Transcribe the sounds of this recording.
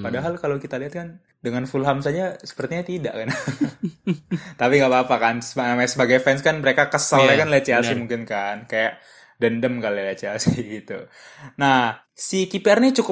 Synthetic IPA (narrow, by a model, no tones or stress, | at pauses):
padaɦalkalowkit̪aliɦat̪̚kan | dəŋanfulɦamsad͡ʒasə̥pərt̪iɲat̪ida̰ʔkan | t̪apiŋɡaʔpaːpakansəanamaɲsəbaɡajfɛnskanməɾekakəsəlakanlet͡ʃalsimuŋkɪnkankajaʔ | dəndəmkalɛlet͡ʃialsiɡit̪ṵ | na | sikipeɛrnit͡ʃuk